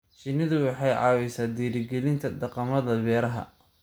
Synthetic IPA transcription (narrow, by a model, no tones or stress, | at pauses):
t͡ʃɪnːɐðʊwɑħɑjʕɑ̰ːwɛjsaːd̪iːɾɪɡɛlɪnt̪ʰɐd̪ɐqɑmɐðɐβɛːɾɐɦɐ̰